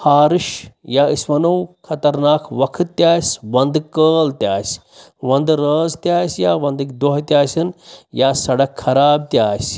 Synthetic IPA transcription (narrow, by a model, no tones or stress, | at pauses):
haːɾiʃjaːisʋɐnɐwkʰɐt̪ɐɾnaːkʰʋɐkʰɨt̪ːʲjaːsʲʋɐnd̪ɨkːəːlt̪jaːsʲ | ʋɐnd̪ɾəːzt̪ʲjaːsjaːʋɐ̃nd̪kd̪oɦt̪jaːsʲɐnjaːsɐɽɐkʰːɐɾaːb̚t̪ʲjaːsʲ